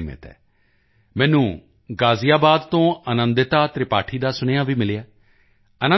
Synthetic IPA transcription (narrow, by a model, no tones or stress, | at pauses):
mə̰t̪ɛ̰ː | mɛ̃ːnũː | ɡaːzɪjaːbaːd̪t̪õːənənd̪ɪt̪aːt̪ɾɪpaːʈʰiːd̪aːsʊneːaːʋiːmɪlejaː | ənə